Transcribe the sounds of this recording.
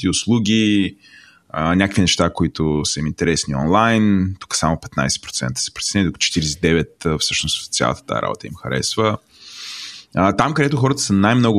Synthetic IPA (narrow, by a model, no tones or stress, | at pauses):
t̪iʊslˠuɡʲi | ənʲakəkvinɛʃt̪akoit̪ʊsəimint̪ɛɾɛsniɔ̰nlˠajnt̪u̥kə̥samʊpɛ̥t̪na̰jsɛ̥pɾo̥t̪sɛ̰nt̪ə̥sɛ̥pɾot̪sɛnɛnid̪oʊkt͡ʃɛ̥t̪iɾɛsɛd̪ɛvɛt̪əfsɤʃnost̪t̪sʲja̰lˠət̪ə̥t̪a̰ɛ̰ɾa̰bo̰t̪əḭmxɐɾɛ̰svə | ət̪amkəd̪ɛt̪ʊxɔɾət̪ə̥sənajmnɔɡʊ